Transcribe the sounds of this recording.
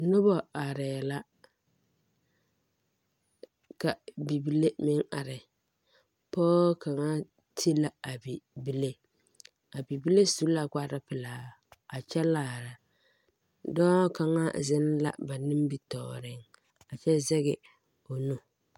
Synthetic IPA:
nʊ˦bɔ˦a˨ɾɛː˨la˦ | ka˨bi˨bi˦le˦mɪ˦ŋa˨ɾɪ˨ | pɔː˦ka˨ŋa˦ | tʰi˦la˦a˨bi˨bi˦le˦ | a˨bi˨bi˦le˦su˦la˨ka˦ɾa˦pɪ˨laː˨˦ | a˨t͡ʃɛ˦laː˦˨ɾa˨ | dɔː˦ka˨ŋa˦zɪ˦n˦la̰˦˨ba˨nɪ˦m˦bi˦tɔ̰ː˨ɾɪ˦ŋ | a˨t͡ʃɛ˦zɛ˦ɣɪ˨ | o˨nu˦

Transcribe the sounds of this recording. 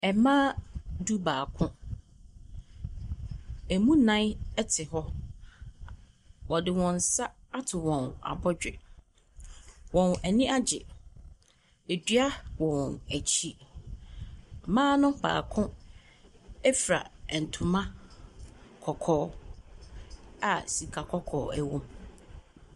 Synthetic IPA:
ɛ˨mãː˦du˦baː˨kʰʊ̃˦ | æ˨mũ˦nã˦nɛ˦tʰɪ˨ɦɔ˦ | wɔ˨dɪ˨wɔ̃˨n˨sa˦a˦tʰɪ˨wɔ̃˨na̰˨bɔ˦d͡ʑᶣɪ˨ | wɔ̃˨næ˨nĩ˦ʔa˦d͡ʑɪ˨ | æ˨dɥa˦wɔ̃˨wɔ̃˨næ˨t͡ɕʰi˦ | mãː˦nʊ̃˦ba̰ː˨kʰʊ̃˦ | ɛ˦fɾa̰˨n̩˨tʰʊ̃˨mã˦ | kʰɔ˨kʰɔː˦ | a˨si˨kʰa˨kʰɔ˦kʰɔː˨æ˨wõ˦m

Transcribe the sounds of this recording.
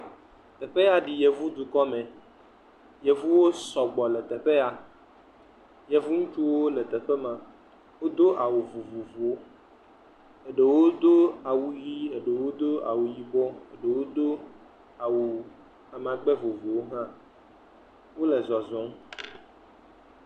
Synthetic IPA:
t̪ɛ˨ɸe˦a˨ɖi˨je˨vu˦d̪u˨kɔ˦mɛ̃˨ | je˨vu˦wo˦sɔ˨ɡ͡bɔ˨lɛ˨t̪ɛ˨ɸe˦a˨ | je˨vu˦ŋũ˦t͡ʃu˦wo˦lɛ˨t̪ɛ˨ɸe˦mã˨ | wo˦d̪o˦ʔa˨wu˨vu˨vu˨vu˨o˦ | e˨ɖe˨wo˦d̪o˦a˨wu˨ji˦e˨ɖe˨wo˦d̪o˦a̰˨wu˨ji˨bɔ˦e˨ɖe˨wo˦d̪o˦ | a˨wu˨ | a˨m̃˨a˨ɡ͡bɛ˦vo˨vu˨wo˦ɦã˦ | wo˦le˨zɔ˨zɔ̃˨˦m

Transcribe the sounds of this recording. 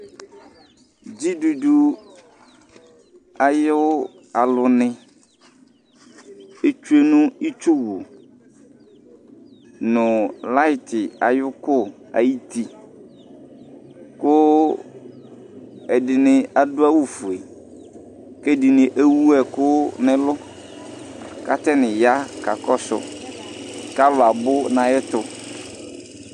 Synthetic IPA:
d͡ʑi˦du˨du˨ | a˨jʊ˦ | a˨lʊ˨nɪ̃˦ | e˦t͡ʃu˦e˦nũ˦i˦t͡ʃʊ˦wʊ˨ | nʊ̃˨la˦ɪ˦˨t̪ɪ˨a̰˨jʊ˦kʊ˦a̰˨ji˦t̪i˦ | kʊ˦ | ɛ˨dɪ˨nɪ̃˨a˨dʊ˦a˦wu˦fu˨e˨ | kɛ˦dɪ˨nɪ̃˨ʔe˦wu˦ɛ˨kʊ˦nɪ̃˦lʊ˦ | ka̰˨t̪ɛ˦nɪ̃˨ja˦ka˨kɔ˦sʊ̰˨ | ka˦lʊ˨a˨bʊ˦nã˨jɛ˦t̪ʊ˦

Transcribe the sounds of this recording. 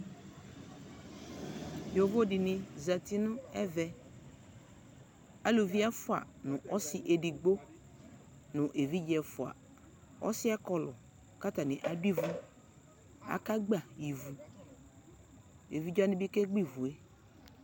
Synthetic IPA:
jo˨vo˦dɪ˨nɪ̃˨za˨ti˦nʊ̃˦ɛ˦vɛ˨ | a˦lo˨vi˦a˦fʊ˦a̰˨nʊ̃˨ʔɔ˦sɪ˦ʔe˨di˨ɡ͡bo˦ | nʊ̃˨ʔe˨vi˦d͡ʒɛ˨fʊ˨a̰˨ | ɔ̰˦sɪ˦a˦kɔ˨lɔ̰˨ | ka˦ta˨nɪ̃˨ʔa˨di˦vu˦ | a̰˨ka˦ɡ͡ba˨i˨vu˨ | e˨vi˦d͡ʒa˦nɪ̃˦bi˦ke˦ɡ͡bi˦vu˨e˦

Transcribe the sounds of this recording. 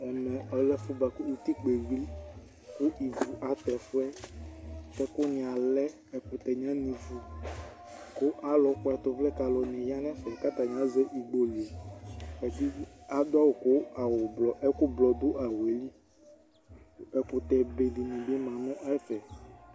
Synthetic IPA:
ɛ˨mɛ̃˨ʔɔ˨lɛ˦fu˦ba˨ku˦u˨t̪i˦k͡pe˨wli˦ | ku˦ʔi˨vu˨ʔa˨t̪ɛ˨fo˦ɛ˦ | tɛ˦ko˦nĩ˨a˨lɛ˦ | ɛ˨k͡pu˨t̪ɛ˨ɲã˦nĩ˨vu˨ | ko˦ʔa˦lɔ˨ko˦a˨t̪ɔ˨vlɛ˦ka˨lɔ˨nĩ˨ja˦nɛ̃˦fɛ˨ka˦t̪a˨ɲ˨ã˦zɛ˦ʔi˨ɡ͡bo˨le˨ɛ˨d̪i˦a˨d̪o˦a˦wo˨ko˦a˨wo˨bɔ˨ʔɛ˦ko˦blɔ˨d̪o˦ʔa˨wo˨e˨li˦ | ɛ˨k͡pu˨t̪ɛ˨be˨di˨nĩ˨be˦mã˨mɔ̃˦ʔa˦fɛ˨

